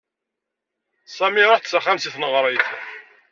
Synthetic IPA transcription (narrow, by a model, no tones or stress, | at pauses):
sæmiɾˤoħθsaχamsiθnəʁɾˤiθ